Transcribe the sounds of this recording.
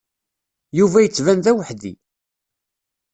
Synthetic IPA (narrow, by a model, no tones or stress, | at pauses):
juvæjət͡sːvænðæwəħðḭ